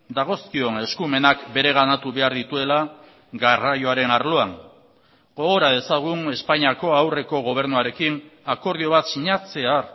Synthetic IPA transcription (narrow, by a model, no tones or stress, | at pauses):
d̪aɣ̞o̞skio̞ne̞skume̞nakbe̞ɾe̞ɣ̞anat̪uβe̞aɾðit̪ue̞la | ɡarajo̞aɾe̞naɾlo̞an | ɡo̞ɣoɾað̞e̞saɣ̞une̞spaɲiako̞awre̞ko̞ɣ̞o̞β̞e̞ɾnuaɾe̞kinako̞ɾð̞io̞β̞at̪siɲat͡se̞ar